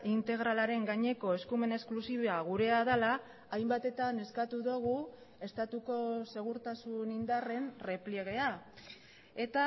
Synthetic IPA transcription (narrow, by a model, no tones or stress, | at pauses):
int̪e̞ɣɾalaɾe̞ŋɡaɲe̞ko̞e̞skume̞ne̞sklusiβeaɣ̞uɾe̞aðalaː | jmbat̪e̞t̪ane̞skat̪uðoɣ̞u | e̞st̪at̪uko̞se̞ɣ̞uɾt̪asunind̪are̞nre̞pleɣe̞a | e̞t̪a